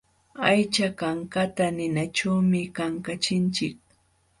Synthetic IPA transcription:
ajt͡ʃakaŋkat̪anɪnaʈ͡ʂawmɪkaŋkat͡ʃɪnt͡ʃɪk̚

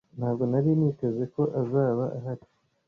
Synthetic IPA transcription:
nhaːbɡo̞naɾinite̞ze̞ko̞ʔazaːβaʔaɦaɾi

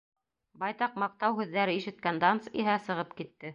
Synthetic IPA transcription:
bɑjt̪ɑq̚mɑq̚t̪ɑwhʉðːæɾɘiʃɘ̆t̪̚kænd̪ɑnsiɦæsɤ̆ʁɤpkit̪ːɘ

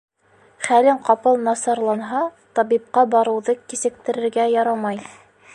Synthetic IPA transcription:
χælɘɴqɑpɤlˠnɑsɑɾlˠɑnɦɑt̪ɑβip̚qɑbɑɾɤ̆wðɤkisɘ̆k̚t̪ɘ̆ɾɘ̆ɾɡæjɑɾɑmɑj

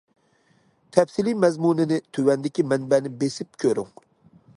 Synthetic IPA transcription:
t̪ʰɛpsilijmɛzmunɪnɪt̪ʰywɛnd̪ɪkʲimɛnbɛnɪbesɪp̚kʲʰøɾy̰ŋ

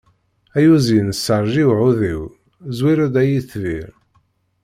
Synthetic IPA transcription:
æjuzinəsːəɾˤʒiwʕuðiw | zwiɾæd̪æjiθvḭɾ

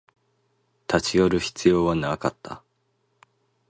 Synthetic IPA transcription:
t̪ʰat͡ɕijo̞ɾɯ̟çi̥t͡sɨjo̞ːβanaakat̪ʰːa̰

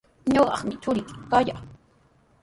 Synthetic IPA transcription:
ɲoɢɑ̰χmɪt͡ʃʊɾɪt͡ʃʊ̥kaja

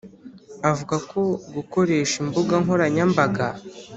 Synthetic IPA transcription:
avuɡako̞ɡuko̞ɾe̞ːʃimbuɡaŋɦoɾaɲambaɡa

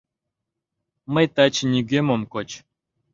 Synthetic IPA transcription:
məjt̪at͡ɕnʲiɡʲemomkot͡ɕ

